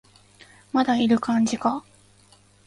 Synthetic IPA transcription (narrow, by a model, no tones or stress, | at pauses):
mad̪aiɾɯ̟kãɲd͡ʑika